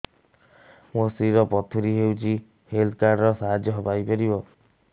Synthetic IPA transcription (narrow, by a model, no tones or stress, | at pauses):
mosiɾɔpɔt̪ʰuɾiɦewt͡ʃʰi | held̪kaɾɾɔsaɦad͡ʒjɔɦɔbajpɔɾibɔ